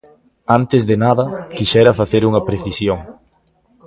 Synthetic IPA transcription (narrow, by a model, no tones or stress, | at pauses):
ant̪ezðenaðɐkiʃɛɾɐfaθeɾuŋɐpɾeθisjoŋ